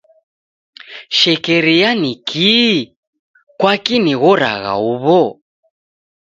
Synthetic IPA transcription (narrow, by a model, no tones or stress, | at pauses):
ʃɛkɛɾijanikʰi | kwakiniɣɔɾa̰ɣa̰uβɔ